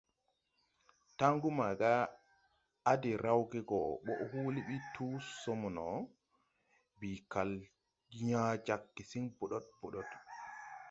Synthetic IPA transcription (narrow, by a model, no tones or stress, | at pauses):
taŋɡumaɡa | dɛɾʔawɡɛɡɔɓɔʔhuliɓitʰusɔmɔnɔ | bikal | ɲad͡ʒakːisinbɔɗɔt̚bɔɗɔd